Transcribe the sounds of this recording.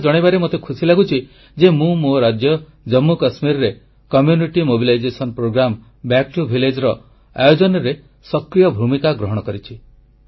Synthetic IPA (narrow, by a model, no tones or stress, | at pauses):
d͡ʒɔɽ̃ibaɾemot̪ekʰusilaɡut͡ʃʰi | d͡ʒemũmoɾad͡ʒjɔ | d͡ʒɔmːukasmiɾɔɾe | kɔmjuniʈimobilajd͡ʒesɔnpɾoɡɾam | bak̚ʈubʱiled͡ʒɾɔ | a̰jod͡ʒɔnɔɾe | sɔkɾijɔbʱumikaɡɾɔɦɔɽ̃ɔkɔɾit͡ʃʰi